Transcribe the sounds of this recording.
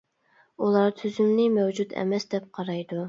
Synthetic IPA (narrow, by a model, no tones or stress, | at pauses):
ulˠɑɾt̪ʰyzymnɪmɛwd͡ʒud̪ɛ̰mɛsd̪ɛp̚qʰɑɾɑjd̪u